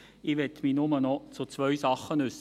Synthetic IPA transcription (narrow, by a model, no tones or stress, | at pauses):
iʋɛtːminʊmənɔt͡sʊt͡svœʏsɑχːənʉs